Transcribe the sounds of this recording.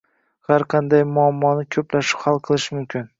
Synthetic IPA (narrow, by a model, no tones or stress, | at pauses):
haɾqʰɑnd̪ajmʊamːɒnɪkʲʰɵplaʃɪ̥phalˠqʰɨlˠɪʃmʊmkʲʰɪn